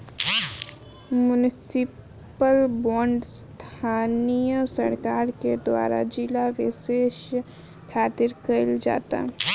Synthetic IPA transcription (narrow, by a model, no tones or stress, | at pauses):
mʊnɪsɪ | pəlbɔːɳɖst̪ʰaːnijəsə̰ɾkaːɾked̪wa̰ːɾa̰d͡ʒɪlaʋɪʃeːʃ | kʰaːt̪ɪɾkɐɪld͡ʒa̰ːt̪a̰ɦ